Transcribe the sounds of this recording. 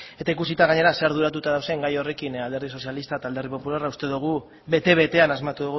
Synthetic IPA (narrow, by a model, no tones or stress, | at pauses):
e̞t̪aikusit̪aɣ̞aɲe̞ɾaseaɾðuɾat̪ut̪aðawseŋɡajo̞re̞kinald̪e̞ɾðiso̞sialist̪aet̪ald̪e̞ripo̞pulaɾraust̪e̞ðuɣ̞u | βe̞t̪e̞βe̞t̪e̞anazmat̪uðuɣu